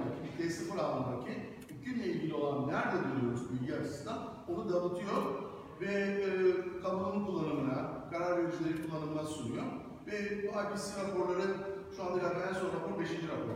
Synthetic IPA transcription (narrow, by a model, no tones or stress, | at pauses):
id̪ʲɛsɯfɯɾaand̪ɾcʰi | ycʰynlʲɛilʲɟilʲio̞lˠanːæɾd̪ɛd̪uɾɯjo̞ɾuzbilʲɟʲiat͡ʃʰi̥sɯ̥nd̪a | o̞nud̪amɯt̪ʰɯjo̞ɾ | vɛ | kʰabulˠɯmkulˠːanɯmɯnakʰaɾaɾveɾid͡ʒilʲe̞ɾikulˠːanɯlmasunijoɾ | vɛbacisiɾapo̞ɾlˠaɾɯ | ʃuand̪aɾak̪aænsozt̪apoɾbeʃind͡ʒiɾapʰo̰ɾ